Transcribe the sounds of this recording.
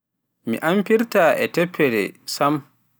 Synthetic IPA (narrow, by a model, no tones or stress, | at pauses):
mḭʔampiɾtaːʔɛtɛpʰːɛdɛ̰sam